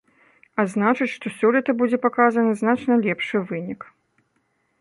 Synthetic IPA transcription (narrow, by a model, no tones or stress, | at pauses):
aznat͡ʂɨt͡sʲʂt̪ɔsʲɔlʲit̪ɐbud͡zʲɛpakazɐnɨznat͡ʂnɐlʲɛpʂɨvɨnʲik